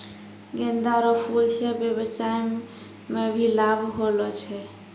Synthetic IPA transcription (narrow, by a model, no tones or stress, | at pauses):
ɡend̪aɾɔpʰult͡ʃʰɛbjebət͡ʃaj | mebʱilabʱɦolɔt͡ʃʰɛ